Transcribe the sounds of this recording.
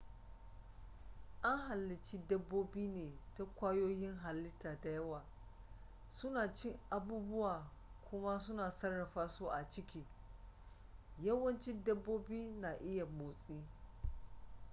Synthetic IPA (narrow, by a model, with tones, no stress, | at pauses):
ʔa˦ŋɦa˨lːɪ˨t͡ʃiː˦dɐ˦bːoː˦biː˦neː˨ta˦kʷaː˦joː˦jɪ˦ŋɦa˨lːɪ˦tːaː˨ta˨jɐ˦waː˨ | sʊ˦naː˨t͡ʃɪ˦ŋʔa˨buː˦bʊ˦waː˨ | kʷʰʊ˦ma˦sʊ˦naː˨sɐ˦rːɐ˨ɸaː˦suː˦ʔa˨t͡ʃɪ˦kʲiː˦ | jɐ˦wɐ˦nt͡ʃɪ˦dɐ˦bːoː˦biː˦na˨ʔɪ˦ja˨moː˨sʼiː˦